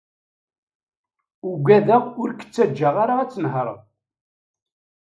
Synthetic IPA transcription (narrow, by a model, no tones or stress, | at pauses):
uɡʷæðæʁʊɾkːə̥t͡sːæd͡ʒːaʁaɾat͡sːənɦəɾˤ